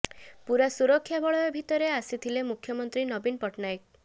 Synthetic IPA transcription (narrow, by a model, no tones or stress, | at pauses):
puɾasuɾɔkʰːjabɔɭɔjɔbʱit̪ɔɾeasit̪ʰilemukʰjɔmɔnt̪ɾinɔbinpɔʈnajk̚